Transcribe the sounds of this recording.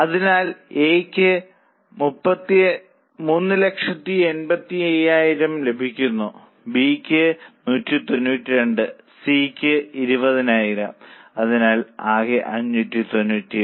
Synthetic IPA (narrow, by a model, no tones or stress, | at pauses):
ɐðinaːleːkʲːɨ | mupːɐt̪ːi | munːɨlekʂɐt̪ːie̞nbɐt̪ːiejːaːjiɾɐmle̞bʱikʲːunːu | bikʲːɨnuːtːit̪o̞nːuːtːiɾe̞ɳɖɨ | sikʲːɨiɾubɐðinaːjiɾɐmɐðinaːlaːɣeʔɐ̰ɲːuːtːit̪o̞nːuːtːi